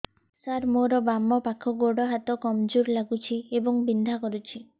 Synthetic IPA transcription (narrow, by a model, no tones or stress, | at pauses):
saɾmoɾɔbamɔpakʰɔɡoɽɔɦat̪ɔkɔmd͡ʒuɾlaɡut͡ʃʰiebɔŋbind̪ʱakɔɾut͡ʃʰi